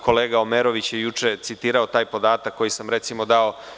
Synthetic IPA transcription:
kʰo̞leːɡaomeɾo̞ʋit͡ɕjejut͡ʃe̞t̪sit̪iːɾao̞t̪aːjpo̞d̪aːt̪akːo̞jisamɾet̪simo̞d̪ao

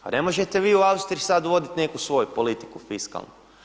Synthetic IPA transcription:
a̰ne̞mo̞ʒet̪e̞ʋiːuaust̪ɾiisad̪uʋo̞d̪it̪ne̞kusʋo̞jupolit̪i̥kufiska̰lˠnu

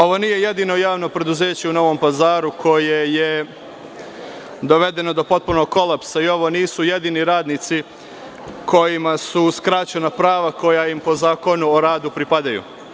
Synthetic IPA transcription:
o̞ʋo̞niːje̞je̞d̪iːno̞jaːʋno̞pɾe̞d̪uze̞ːt͡ɕeuno̞ʋo̞mpazaːɾukʰo̞jeje | d̪o̞ʋed̪e̞no̞d̪o̞po̞t̪̚puno̞ɡkːo̞lˠapsaio̞ʋo̞niːsuje̞d̪iniɾaːd̪nit̪si | ko̞jimasuskɾat͡ɕenapɾaːʋako̞jaimpo̞zaːko̞nuoɾaːd̪upɾipad̪ajṵ

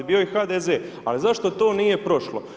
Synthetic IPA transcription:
bio̞ixad̪ezeː | a̰lizaʃt̪o̞t̪o̞ːniːje̞pɾo̞ʃlo̰

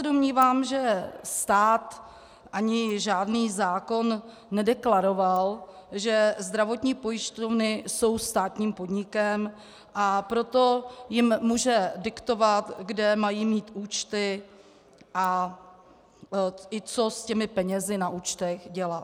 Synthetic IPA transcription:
sɛdo̞mɲiːvaːmʒɛst̪aːt̪ | ʔaɲɪʒaːdniːzaːko̞nː | ɛdɛklaɾo̞valʒɛzd̪ɾavo̞t̪ɲiːpo̞jɪʃt̪ovnɪso̞wst̪aːt̪ɲiːmpo̞dɲɪkɛm | ʔapɾo̞t̪o̞jɪmːuːʒɛdɪkt̪o̞vat̪ɡdɛmajiːmiːt̪ʔuːt͡ʃt̪ɪ | ʔa | ɪt͡so̞scɛmɪpɛɲɛzɪnaʔuːt͡ʃt̪ɛxɟɛla

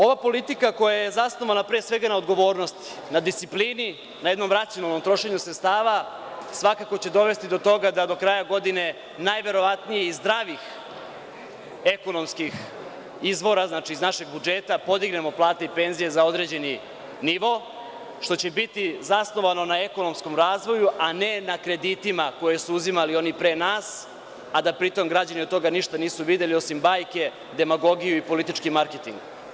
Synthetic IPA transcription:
o̞ʋapo̞lit̪ikako̞jajezasno̞ʋanapɾesʋe̞ɡanaod̪ɡo̞ʋo̞ːɾno̞st̪i̥ | nad̪ist̪iplini | najed̪no̞mɾat̪sionalˠnomt̪ɾo̞ʃe̞ɲusɾet̪st̪aːʋa | sʋakako̞t͡ɕe̞d̪o̞ʋe̞st̪id̪o̞t̪o̞ɡad̪ad̪o̞kɾajaɡo̞d̪ine̞ | najʋe̞ɾo̞ʋat̪nijeizd̪ɾaʋix | e̞ko̞no̞mskix | izʋo̞ɾaznaːt͡ʃiːznaʃe̞ɡ̚bud͡ʒe̞t̪apo̞d̪iɡne̞mo̞plˠaːt̪eipe̞nzije̞zao̞d̪ɾe̞ːd͡ʑe̞ni | niʋo̞ | ʃt̪o̞t͡ɕebit̪izasno̞ʋano̞nae̞ko̞no̞msko̞mɾaːzʋo̞juʔane̞nakɾe̞d̪it̪imako̞je̞suuzimalio̞nipɾenaːs | ad̪apɾit̪o̞mɡɾad͡ʑaniod̪̚t̪o̞ɡaniʃt̪aniːsuʋid̪e̞lio̞simbaːjke̞ | d̪e̞maɡo̞ɡijuipo̞lit̪it͡ʃkimaɾket̪ḭŋɡ

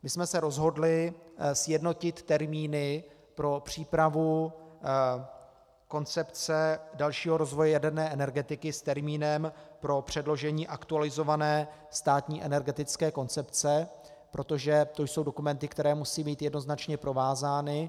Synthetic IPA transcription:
mɪsmɛsɛɾo̞zɦo̞dlɪsjɛdno̞cɪt̪ːɛɾmiːnɪ | pɾo̞pr̝̥iːpɾavu | ko̞nt͡sɛpt͡sɛdalʃiːɦo̞ɾo̞zvojɛjadɛɾnɛːʔɛnɛɾɡɛt̪ɪkɪst̪ɛɾmiːnɛmpɾo̞pr̝̥ɛdlo̞ʒɛɲiːʔakt̪ualɪzo̞vanɛː | st̪aːt̪ɲiːʔɛnɛɾɡɛt̪ɪt͡skɛːko̞nt͡sɛpt͡sɛ | pɾʔo̞t̪oʒɛt̪o̞jso̞wdo̞kumɛnt̪ɪkt̪ɛɾɛːmusiːbiːt̪jɛdno̞znat͡ʃɲɛpɾo̞vaːzaːnɪ

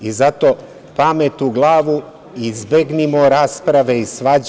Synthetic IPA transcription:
izat̪oː | pamet̪uɡlˠaːʋu | izbeɡnimoɾaːspɾaʋe̞isʋad͡ʑ

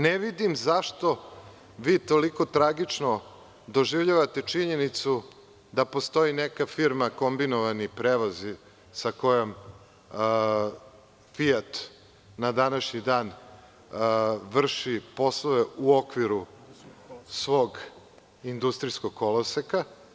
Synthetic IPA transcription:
neʋid̪imzaʃt̪o̞ | ʋiːt̪o̞liko̞t̪ɾaɡit͡ʂno | d̪o̞ʒiʋʎaʋat̪e̞t͡ʃiɲe̞nit̪su | d̪apo̞st̪o̞inekafiɾmako̞mbinoʋanipɾeːʋozi | sako̞jom | fiat̪ | nad̪anaʃɲid̪aːn | ʋr̩ʃipo̞slˠoʋeuokʋiɾu | sʋo̞ːɡ | ind̪ust̪ɾisko̞ɡkːolˠoseka

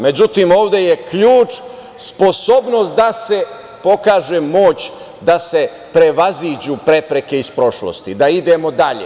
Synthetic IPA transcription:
med͡ʑut̪imo̞ːʋd̪e̞jekʎuːt͡ʃ | spo̞so̞bno̞st̪̚d̪ase̞ | po̞kaːʒe̞mo̞ːt͡ɕ | d̪ase̞ | pɾe̞ʋaziːd͡ʑupɾe̞pɾe̞ke̞ispɾo̞ʃlo̰st̪id̪aid̪e̞mo̞d̪aʎḛ

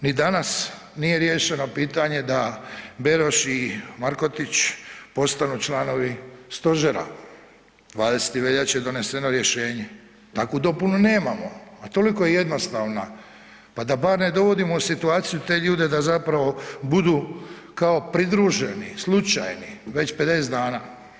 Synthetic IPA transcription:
nid̪anas | nije̞ɾje̞ːʃe̞no̞piːt̪aɲe̞d̪abe̞ɾo̞ʃimaɾko̞t̪it͡ɕpo̞st̪anut͡ʃlaːno̞ʋist̪o̞ʒeɾa̰ | d̪ʋaːd̪e̞se̥t̪iʋe̞ʎat͡ɕje̞d̪o̞ne̞se̞no̞ɾje̞ʃe̞ːɲe | t̪akod̪o̞punune̞ːmamo̞at̪o̞liko̞jeje̞d̪no̞st̪aːʋna | pad̪abaːɾne̞d̪o̞ʋo̞d̪imo̞usit̪uaːt̪sijut̪e̞ːʎuːd̪ed̪azapɾaʋo̞bud̪uː | kao̞pɾid̪ɾuʒenislˠut͡ʃa̰jniʋe̞t͡ɕpe̞d̪e̞ːzd̪aːnaː

